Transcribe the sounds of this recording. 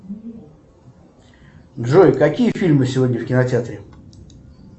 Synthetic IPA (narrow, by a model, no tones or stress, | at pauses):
nʐojkakʲijəfʲilʲmɨsʲɪvodʲɲʲəfkʲɪnatʲɪat̪ɾʲɪ